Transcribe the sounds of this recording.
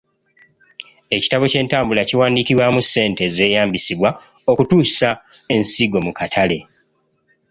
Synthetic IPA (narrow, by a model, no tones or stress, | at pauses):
e̞ci̥taβo̞ce̞ːntaːmbulaciwaːndikiβwamusːe̞ːnte̞ze̞ːjaːmbisiβwa | o̞kutuːsa | e̞nsiɡo̞mukatʰale̞